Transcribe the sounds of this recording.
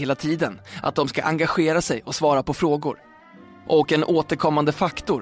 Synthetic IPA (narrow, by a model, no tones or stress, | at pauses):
eːlat̪ʰiːd̪ənʔa̰t̪̚d̪ɔmska̰ʔa̰ŋɡaɧeːɾasɛjɔksvɑːɾapʰɔfɾoːɡʊ̰ɾ | ʔɔkɛnʔoːt̪əɾkʰɔmːand̪əfakt̪ʊɾ